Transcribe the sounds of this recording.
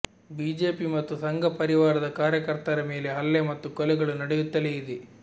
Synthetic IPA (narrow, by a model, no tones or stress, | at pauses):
biːd͡ʒe̞ːpimɐt̪ːusɐŋɡʱɐpɐɾiʋaːɾɐd̪ɐkaːɾjɐkɐɾt̪ɐɾɐme̞ːleɦɐlːemɐt̪ːukɔlɛɡɐɭunɐɽejut̪ːɐlejid̪e